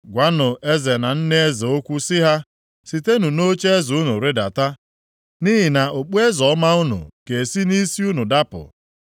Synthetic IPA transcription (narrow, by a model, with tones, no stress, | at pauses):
ɡʷa˨˦nʊ˨ʔe˦ze˨na˨n̩˦ne˦e˦zo˦kʷu˦sɪ˦ɦa˦ | si˨te˦nu˨no˦t͡ʃe˦zu˦nu˨ɾe˦da̰˨ta˦ | niː˦ɦi˨na˨ʔo˨k͡pu˦e˦zɔ˨˦ma˦ʊ˦nṵ˨ke˨si˦ni˦si˦u˦nu˨da˦pʊ̰˨